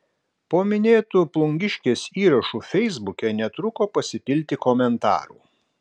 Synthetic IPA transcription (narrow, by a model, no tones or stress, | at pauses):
poːmʲɪnʲeːt̪uplˠʊŋʲɡʲɪʃʲkʲeːsiːɾɐʃuːfʲɛɪzbʊkʲɛnʲɛt̪ɾʊkoːpɐsʲɪpʲɪlʲt̪ʲɪkɔmʲɛnt̪ɑ̰ːɾṵː